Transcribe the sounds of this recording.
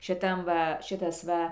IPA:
ʃʲɪˈtɐm ˈʋɐ ˈʃʲɪtɐs ˈʋɐ

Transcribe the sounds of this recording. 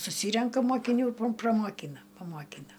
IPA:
sʊˈsʲiːrʲɛŋkɐ moːkʲɪˈnʲuː proː prɐmoːˈkʲiːnɐ pɐmoːˈkʲiːnɐ

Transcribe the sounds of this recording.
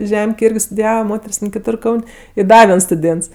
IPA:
ˈʒʲɛmʲkʲeːj ˈɪrʲɡʲɪ stʊdʲɪˈjæːʋɐ ˈmoːtʲɛrʲsʲ tʲɛn kʲɪˈtʊr ˈkɐʊnʲ ɪ ˈdɐ ˈʋʲiɛns stʊˈdʲeːnts

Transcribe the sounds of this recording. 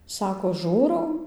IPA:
ˈsɑːkoː ˈʒuːrɐʊ

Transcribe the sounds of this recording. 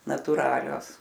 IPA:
nɐtʊˈrɑːlʲoːs

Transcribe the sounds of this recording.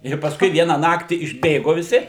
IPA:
ɪr pɐsˈkʊɪ ˈʋʲiɛnɐ ˈnɑːktʲiː ɪʒʲˈbʲeːɡoː ʋʲɪˈsʲɪ

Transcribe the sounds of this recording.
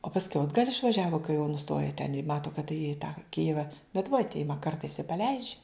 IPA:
oː pɐsʲˈkʲɛʊ ɐdˈɡɐlʲ ɪʃʋɐˈʒʲæːʋʊ kɐɪ jɛʊ nʊˈstoːjɛ tʲɛn ɪ ˈmɑːtoː kɐt tɐɪ ɪ tɑː ˈkʲɪjɪʋɐ bʲɛt ʋɐt ˈɪmɐ ˈkɐrtɐɪs ɪ pɐˈlʲɛɪt͡ʃʲ

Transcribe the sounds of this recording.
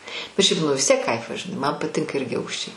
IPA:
bʲɛt ˈʃʲɛɪp nʊ ʋʲɪs ˈtʲiɛk ˈkɐɪfɐs ʒʲɪˈnɐɪ mɐn ˈpɑːtʲɪŋkɐ ˈɪrʲɡʲɪ ˈɐʊkʃʲt͡ʃʲɛɪ

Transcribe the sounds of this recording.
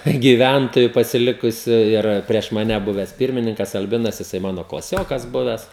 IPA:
ɡʲiːˈʋʲæntoːjʊ pɐsʲɪˈlʲɪkʊsʲʊ ˈɪr pʲrʲiɛʃ mɐˈnʲɛ ˈbʊʋʲɛs ˈpʲɪrʲmʲɪnʲɪŋkɐs ɐlʲˈbʲɪnɐs jɪˈsɐɪ ˈmɑːnoː klˠɐˈsʲoːkɐs ˈbʊʋʲɛs

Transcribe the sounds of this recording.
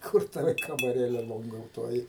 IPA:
ˈkʊr ˈtɑːʋɐ kɐmɐˈrʲeːlʲɛ lˠoːŋɡoːʊˈtuɔjɪ

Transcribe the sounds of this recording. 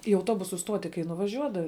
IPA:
iː ɐʊˈtoːbʊsʊ ˈstuɔtʲɪ kɐɪ nʊʋɐˈʒʲuɔdɐʋʲɪ

